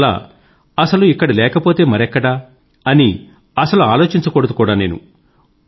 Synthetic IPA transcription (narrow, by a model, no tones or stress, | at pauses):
la̰ː | ɐsɐluikːɐɽilɛːkɐpo̞ːt̪e̞ːmɐɾɛkːɐɽɐ | ɐni | ɐsɐluaːlo̞ːt͡ʃiɲt͡ʃɐkoːɽɐt̪u̥kuːɽaːne̞ːnṵ